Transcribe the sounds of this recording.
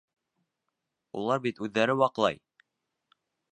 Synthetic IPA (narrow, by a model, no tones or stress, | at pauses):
ṵlˠɑɾbit̪ʉðːæɾɘwɑqlˠɑ̰j